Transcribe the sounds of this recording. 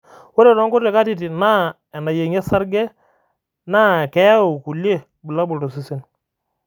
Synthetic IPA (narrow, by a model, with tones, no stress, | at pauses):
wo˦ɾe˨ɾɔ˦ŋkʊ˦ɾe˨ka˦ti˦˨ti˨na˦ | ɛ˨na˨je˨ŋɛ˦sa˦ɾɡɛ˦ | naː˦˨kɛ˦a˦o˨ku˨lje˦˨ | bu˨la˦bu˨do˨si˨si˦n